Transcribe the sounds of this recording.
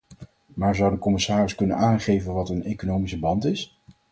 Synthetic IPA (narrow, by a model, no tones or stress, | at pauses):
maːɹzʌwdəkɔmɪsaːrɪskɵnənaːnχejvənʋɑtənejkonowmisəbɑntɪs